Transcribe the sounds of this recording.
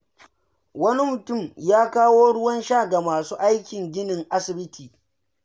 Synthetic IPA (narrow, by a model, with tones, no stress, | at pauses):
wɐ˦ni˦mʊ˨tʊ˦˨mjaː˦kaː˦woː˦ɽʊ˦wɐ˦nʃa˦˨ɡa˨maː˨suː˦ʔa˦jkʲɪ˨ŋɡʲɪ˦nɪ˨ŋʔa˦sɪ˨bɪ˦tʰiː˨